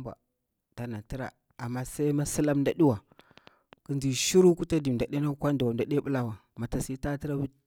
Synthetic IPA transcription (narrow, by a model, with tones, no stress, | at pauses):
ba̰˨ | ta˨na˨ti˦ɾa̰˨ | a˨mːa˦sa˦i˦ma˦si˦la˦mnda˨ɗi˦wa˨ | kə˦nd͡ʒi˨ʃi˦ɾu˦ku˦ta˦di˨da˨ɗe˦na˦kʷa˦ndu˨wa˨n˨da˨ɗe˦ɓu˦la˦wa˨ma˨ta˨si˦ta˦ti˦ɾa˦wi˦